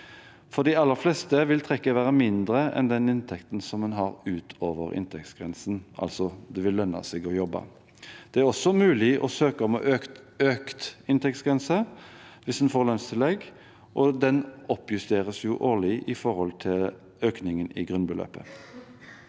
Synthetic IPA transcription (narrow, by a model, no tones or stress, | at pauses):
fɔʁd̪ɪɑlːəʁflɛst̪əʋɪlt̪ʰʁɛkːəʋæːʁəmɪnd̪ʁəɛ̰nd̪ɛnɪnt̪ʰɛkt̪nsɔmːɛnɦɑʁʉːt̪ʰoːʋəʁɪ̰nt̪ʰɛkt̪sɡ̥ʁɛnsnʔɑ̰lsɔd̪ɛʋɪlːœnːɑ̰sɛɡɔjɔbːɑ̰ | d̪̥ɛæʁɔsːɔmʉːlɪʔɔ̰søːkəɔmɔ̰ʔøøːkt̪ɪnt̪ɛk̚t̪sɡʁɛnsəʋɪsd̪ɛnfoːʁlœnst̪ʰɪlɛɡ | ʔɔd̪ɛnɔpjʉst̪eːʁəsjʊʔoːlɪʔɪfɔʁhɔlt̪ʰɪl | øːknɪŋənɪɡʁʉnbəlø̰ːpə̰